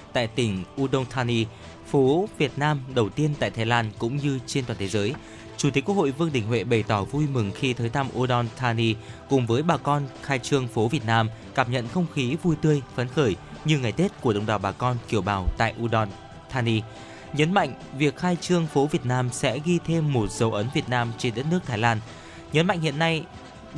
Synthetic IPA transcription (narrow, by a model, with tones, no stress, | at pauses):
t̪a̰ː˧˨jt̪ï˧˩ŋ̟ʔu˧ɗə˧wnt̪ʰaː˧ni˧ | fo˨˦vi˨˩ət̚naː˧mɗə˨˩wt̪i˧ənt̪a̰ː˧˨jt̪ʰaː˨˦jlaː˧nkʊ̰˧˥ŋ͡mɲɨ˧t͡ɕe˧nt̪waː˨˩nt̪e˨˦zəː˨˦j | t͡ɕu˧˩i˨˩˦kːk̚ho̰˧˨jvɨ˧əŋɗï˧˩ŋ̟hwḛ˧˨ɓə˨˩jt̪ɔ˧˩vu˧jmɨ˨˩ŋxi˧t̪ʰəː˨˦jt̪ʰa˧mʔu˧ɗɔ˧nt̪ʰaː˧ni˧kʊ̰˨˩ŋ͡mvəː˨˦jɓaː˨˩kɔ˧nxaː˧jt͡ɕɨ˧əŋfo˨˦vi˨˩ət̚naː˧m | kaː˧˩p̚ɲə̰˧˨nxə˧wŋ͡mxi˨˦vu˧jt̪ɨ˧əjfə˨˦nxəː˧˩jɲɨ˧ŋa˨˩jt̪e˦˥t̚ku˧˩əɗə˧˩wŋ͡mɗaː˨˩wɓaː˨˩kɔ˧nki˧˩əwɓaː˨˩wt̪a̰ː˧˨jʔu˧ɗɔ˧n | t̪ʰaː˧ni˧ | ɲə˨˦nma̰˧˨jŋ̟vi˨˩ək̚xaː˧jt͡ɕɨ˧əŋfo˨˦vi˨˩ət̚naː˧msɛ̰˧˥ɣi˧t̪ʰe˧mːo˨˩t̚z̥ə˨˦wʔə˨˦nvi˨˩ət̚naː˧mt͡ɕe˧nɗə˦˥t̚nɨ˦˥ək̚t̪aː˨˦jlaː˧n | ɲə˨˦nma̰˧˨jŋ̟hḭ˧˨ənːa˧j